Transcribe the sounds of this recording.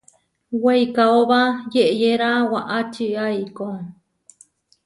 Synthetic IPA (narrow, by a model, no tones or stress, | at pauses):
wejkaoβajeʔejeɾawaʔat͡ʃiaiko